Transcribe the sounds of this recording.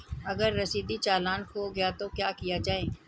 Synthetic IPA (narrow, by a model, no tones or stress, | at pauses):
ɐɡəɾːɐsiːd̪it͡ʃaːlaːnkoɡɐjat̪okjaːkijad͡ʒaːɦeː